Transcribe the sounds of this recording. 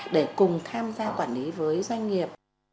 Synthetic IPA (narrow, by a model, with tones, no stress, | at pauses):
ɗe˧˩kʊ˨˩ŋ͡mt̪ʰaː˧mzaː˧kwaː˧˩nli˨˦vəː˨˦jzwa˧jŋ̟ŋi˨˩əp̚